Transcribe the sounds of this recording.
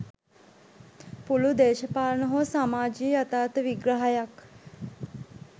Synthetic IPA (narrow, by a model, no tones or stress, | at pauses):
pulud̪eːʃəpaːlnəɦosamaːd͡ʒiːat̪aːt̪əʋiɡɾəɦajak